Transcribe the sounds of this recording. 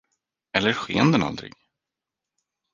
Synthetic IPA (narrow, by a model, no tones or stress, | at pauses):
ɛlːəɾɧeːnd̪əna̰ld̪ɾɪ̰ɡ